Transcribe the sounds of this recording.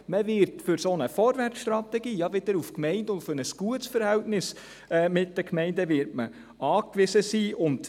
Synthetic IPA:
məvɪɾtfʏɾsoːnəfoːɾvært͡sʃtɾɑtɛɡiːjɑʋɪd̥̪əɾufkmɛɪndʊntfʏɾnəsɡ̥uətsfəɾhɛltnɪs | ɛːmɪt̚d̥əkmɛɪndəʋɪɾtmə | ɑːkʋɪzəsiːʔʊnd

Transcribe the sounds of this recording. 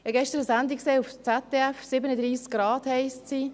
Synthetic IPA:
ɛɡɛʃtəɾəsænd̪ikseːuft͡sɛt̪ːɛɛfsɪbənəd̪ɾiːskɾɑːd̥hɛɪssi

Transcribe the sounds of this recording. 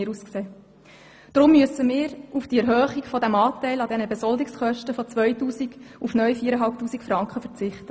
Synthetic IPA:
ɾuskseː | d̥ɾʊmːyəsəmɪːɾufd̥iɛɾɦøːχikfɔdæmɑːtæɪlɑdɛnəbɛzɔldɪksχœʃtəfɔt͡sʋœʏtuːsiɡufnœʏfiəɾəɦɑlp̚tuːsikfɾɑŋkχəfəɾt͡sɪχtə

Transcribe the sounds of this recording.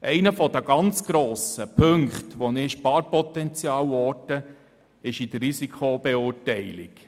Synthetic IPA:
ʔɛɪnəfɔd̥̪əɡ̥ɑnt͡sɡ̥ɾoːsəpʰɵŋkχtʋɔnɪʃpɑːɾpɔt̪ɛnt͡sjɑːwɔːtə | ɪʃid̥̪ərːisikʰob̥ɛʊːɾtɛɪlɪ̰ɡ

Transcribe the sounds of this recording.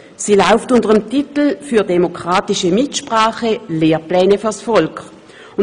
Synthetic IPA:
siːlaʊftʊntəʁəmtitl̩fyːɐdemokʁ̥aːtiʃəmitʃpʁaːχəleːʁplɛːnəfyɐsfɔlk | ʊ

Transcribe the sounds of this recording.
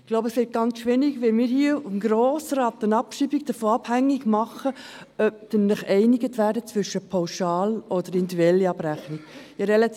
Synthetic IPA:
ɡ̥loʊbəsʋɪt̚ɡ̥ɑnt͡sʃʋɪniɡʋɛlmiːɾhiəʊfmɡɾoːsɾɑːt̪ənɑpʃibiɡ̥̚d̥əfoːɑb̥hæŋːiɡmɑχə | œp̚tənlɪχɛɪniɡətʋæːɾdət͡sʋʏʃəpʰɑʊʃɑːlʔɔd̥̪əɾɪndɛlːiɑbɾæχniɡjɑɾɛlɑ

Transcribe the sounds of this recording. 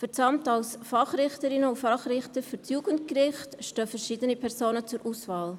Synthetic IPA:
fɛɾt͡sɑmtɑlsfɑχɾɪχtəɾɪnəʊfɑχɾɪχtəɾfyɾt͡sjuːɡənt̚kɾɪχtʃtøːfɛɾʃidənipʰɛɾsoːnət͡sʊɾʔuːsvɑːl

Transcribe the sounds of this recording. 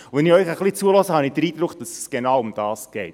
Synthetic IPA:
ʋɛnɪœʏχəχlit͡suəlɔsəhɑnid̥əɾiːd̥̪ɾʊkd̥ɑsɛsɡ̥enɑwʊmd̥ɑːsɡ̥ɛɪt

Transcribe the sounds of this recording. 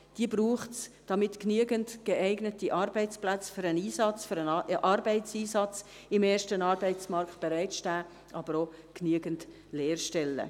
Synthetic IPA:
d̥iəbruːχtsd̥ɑmɪtknyəɡəntɡ̥eæɪɡnətiʔɑːrbɛɪt͡splæt͡sfyɾəniːsɑt͡sfyɾənʔɑrbɛɪtt͡siːsɑt͡s | ɪmeːɾʃtənɑːɾbɛɪt͡smɑrkt̚b̥eɾæɪtʃtæː | ʔɑːbəɾo | knyəɡənt | lɛːrʃtɛlːə̰

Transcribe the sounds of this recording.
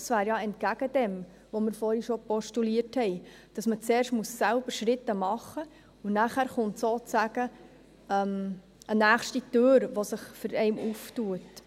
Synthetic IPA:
sʋæːɾjɑɛntkæɡ̥əd̥ɛm | ʋomɪɾfoːɾiʃopɔʃtuliːərthɛɪ | d̥ɑsmət͡seːrʃtmuəsːælb̥əɾʃɾɪt̪ːəmɑχːə | unæχæːɾχʊntsoːt͡sæɡə | œm | ʔənæːχʃtitøːɾʋosɪχfʏɾɛɪmuftuət

